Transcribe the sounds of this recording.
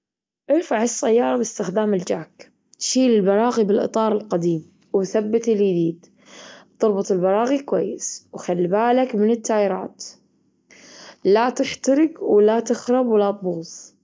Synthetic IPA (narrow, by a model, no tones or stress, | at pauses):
ʔɪɾfaʕɪsːajːɑːɾˤɑbɪst̪ɪxd̪aːmɪld͡ʒaːk | t̪ʃiːlɪlbɑɾˤɑːɣibɪlʔɨ̰t̪ˤɑːɾˤɪlqad̪iːm | wθabːɪt̪ɪljd̪iːd̪ | t̪ʊɾˤbʊt̪ˤɪlbɑɾˤɑːɣikwajːɪswxalːibaːlakmɪnɪt̪ːaːʔɪɾɑ̰ːt̪ | lat̪ɪħt̪aɾɪɡwɪlat̪ɪxɾˤɑbwɪlat̪̚buːsˤ